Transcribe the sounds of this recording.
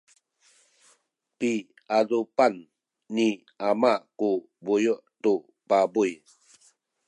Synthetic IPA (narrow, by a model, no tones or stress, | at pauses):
pi | adupanː | i | amaʔku | bujuʔtu | pabuj